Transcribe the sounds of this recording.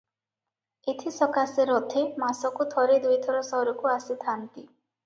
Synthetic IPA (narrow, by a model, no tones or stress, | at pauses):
et̪ʰisɔkaseɾɔt̪ʰemasɔkut̪ʰɔɾed̪ujt̪ʰɔɾɔsɔɾɔkuasit̪ʰant̪i